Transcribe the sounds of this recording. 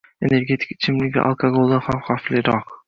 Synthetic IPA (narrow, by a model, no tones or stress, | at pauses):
e̞̰ne̞ɾɡʲe̞t̪ʰɪ̥kɪ̥t͡ʃʰɪmlɪɡʲɪ̰ʔa̰lˠkʰaɡolˠd̪aχamχaflɪɾɒq